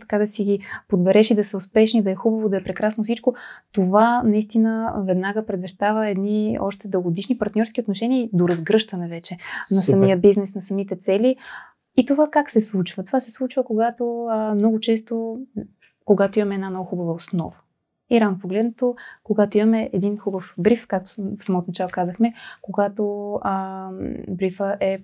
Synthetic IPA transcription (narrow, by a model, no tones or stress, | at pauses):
t̪ɐ̥kad̪ɐsiɡʲipod̪bɛɾɛʃid̪ɐsəʊspɛʃnid̪ɐɛxubəvod̪ɐɛpɾɛkɾasnofsit͡ʃkot̪ovanɐist̪inəvɛd̪naɡəpɾɛd̪vɛʃt̪avəɛd̪niɔ̰ʃt̪ɛd̪əɡod̪iʃnipɐɾt̪nʲɔɾskʲiot̪noʃɛniəd̪oɾɐzɡɾɤʃt̪ənɛvɛt͡ʃɛnɐsɐmiəbiznɛsnɐsɐmit̪ɛt̪sɛli | it̪ovakaksɛslˠut͡ʃvət̪ovasɛslˠut͡ʃvəkoɡat̪omnɔɡʊt͡ʃɛst̪o | koɡat̪oimɐmɛd̪nanɔɡʊxubəvəosnɔ̰və̥ | iɾavnopoɡlɛd̪not̪okoɡat̪oimɐmɛɛd̪inxubəfbɾifkak̚t̪o̥fsɐmɔt̪onɐt͡ʃalˠokazəxmɛkoɡat̪oə | bɾifəʔɛ